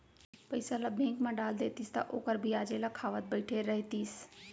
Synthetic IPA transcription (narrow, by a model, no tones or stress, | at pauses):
pəɪsãlaːbʱẽːŋkmãɖaːld̪eːt̪iːst̪ã̰ʔoːkəɾbʱiaːd͡ʒelaːkʰaːʋət̪̚bəɪʈʰeɾəɦit̪iːs